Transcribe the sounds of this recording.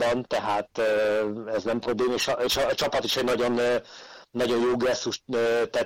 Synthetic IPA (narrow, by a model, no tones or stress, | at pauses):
bɒnt̪ɛɦaːt̪ː | ɛznɛmprobleːmeʃɒʃːt͡ʃɒpɒt̪iʃɛɟnɒɟo̞nː | nːɒɟo̞jjoːɡrɛsːuʃøːt̪ɛ